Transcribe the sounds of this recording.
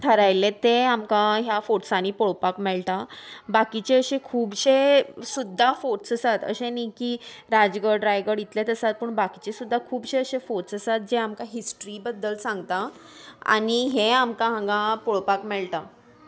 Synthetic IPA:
ʈ̪ʰəɾajlet̪eamkãɦjafoʈsanipoɭpakmɛɭʈ̪abakit͡ɕeəɕẽkʰuːbɕesud̪ʱːafoʈsəsat̪ə̰ɕẽnikiɾad͡zɡəɾɖɾajɡəɾit̪let̪əsat̪̚pəɳbakit͡ɕesud̪ʱːakʰuːbɕeəɕefoʈsəsat̪̚d͡ʑeamkaɦisʈɾibəd̪ːəlsãŋɡt̪aa̰niɦeamkãɦãɡãpoɭpakmɛɭʈa

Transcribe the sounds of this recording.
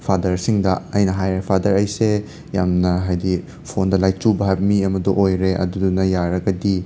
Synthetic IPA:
pʰadɐɾsiŋdɐɐjnɐɦajɾepʰadɐɾɐjse | jamnɐɦajdi | pʰondɐlajt͡ʃubɐɦabɐmiɐmɐdoʔojɾeʔɐ̰dudunɐjaɾɐɡɐdi

